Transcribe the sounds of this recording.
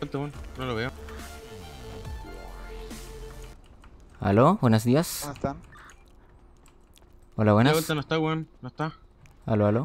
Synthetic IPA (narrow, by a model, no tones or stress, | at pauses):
elt̪aβwannoloβeo | a̰lobwenozðiast̪a | olaβwenawelt̪anoest̪awannoest̪a | a̰loalo